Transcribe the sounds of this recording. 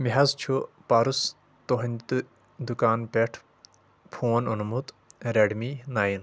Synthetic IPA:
miɦɐzt͡ʃʰupaːɾus | t̪oɦɐnʲt̪ɨ | d̪ukaːnpeʈʰ | pʰoːnunmut̪ | ɾeɖminaːjin

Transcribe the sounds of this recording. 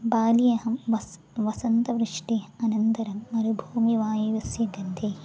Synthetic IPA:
baːlijɐɦɐmʋɐs | ʋɐsɐnt̪ɐʋɾuʂʈiɐnɐnt̪ɐɾɐmɐnubʱuːmiʋaːjɐʋɐsjɐɡɐnd̪ʰʱeː

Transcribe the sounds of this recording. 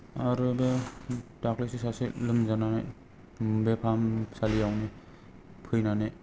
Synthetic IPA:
aɾubetaklisisasilɯmzananaj | bepʰamsalijawni | pʰɯjnanaj

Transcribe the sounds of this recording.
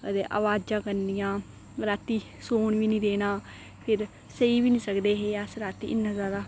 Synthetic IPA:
ət̪eːʔa̰ːʋaːd͡ʒãːkəɾnijãː | ɾaːt̪iː | soːɳʋiːnĩːd̪eːnaː | pʰɪɾ | səiːʋiːnĩːsəkd̪eːɦeːaːsɾaːt̪ḭːʔɪnːãːzjaːd̪aː

